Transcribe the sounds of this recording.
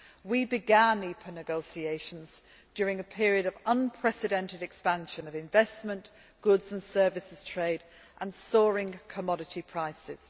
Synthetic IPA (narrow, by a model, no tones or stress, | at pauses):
wibɪɡãnipʰənɪɡoʊsieɪʃə̃nz | d͡ʒʊːɹɪ̃ŋəpʰɪəɹiəɾəvʌ̃npʰɹ̥ɛsɪdɛ̃ntɪdɛkspãnʃə̃nəvɪ̃ɱvɛsmə̃n | ɡ̥ʊdz̥ə̃nsɜːvɪsɪz̥tʰɹ̥eɪd | ʔə̃nsɔːɹɪ̃ŋkʰəmɒɾɪtʰipʰɹ̥aɪsɪ̰z̥